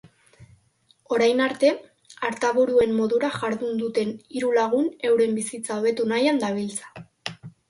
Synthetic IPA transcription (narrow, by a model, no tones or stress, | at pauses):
o̞ɾajnaɾt̪e̞ | aɾt̪aβuɾue̞mːo̞ðuɾaʝaɾðund̪ut̪e̞niɾulaɣ̞une̞wɾe̞mbisit͡saoβe̞t̪unajand̪aβ̞ilt͡sḁ